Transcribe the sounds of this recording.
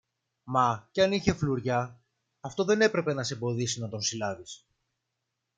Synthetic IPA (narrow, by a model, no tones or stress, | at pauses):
mɐceɐniçe̞fluɾʝɐː | ft̪o̞ðe̞ne̞pɾe̞pe̞nɐseebo̞ðisinɐt̪o̞nsilɐvis